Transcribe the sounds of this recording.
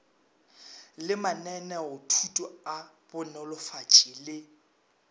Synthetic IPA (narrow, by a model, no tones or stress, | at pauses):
lɪmanɛnɛʊtʰutʼɔabʊnɛlʊfat͡ʃʼilɪ